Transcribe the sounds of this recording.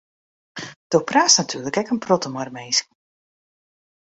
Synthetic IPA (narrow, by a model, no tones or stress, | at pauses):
d̥owpraːsnatʰyːləkɛkənprɔtəmarmeːsk